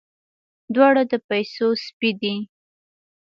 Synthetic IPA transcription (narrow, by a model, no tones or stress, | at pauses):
d̪wɑɽad̪əpajsospid̪i